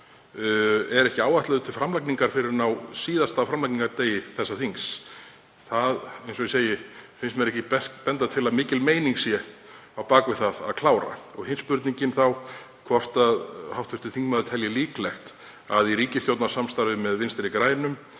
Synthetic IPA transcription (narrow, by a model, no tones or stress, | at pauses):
ɛɾɛhcɪaːwvaht̪laðʏt̪ʰɪlfɾamlakniŋkaɾ̥fɪɾɪɾnawsiːðast̪awfɾamlakniŋkaɾt̪eːjɪθɛsːaθiŋs | θaðejnsɔiseːjɪfɪnsmɛɾɛhcɪpɛ̥pɛnt̪at̪ʰɪlaðmɪːcɪlmeːjniŋksjɛawpaːkvɪðθaða̰ðkʰlaːwɾa̰ɔɣhɪnspʏɾt̪niɲcɪnθaw | kʰvɔr̥t̪aðhawft̪fʏɾt̪ʏθiŋkmœðʏt̪ʰɛljɪliːklɛxt̪ | aðiɾiːcɪsθjowt̪nasamst̪aɾvɪmɛðvɪnst̪ɪɾɪkɾaːjnʏm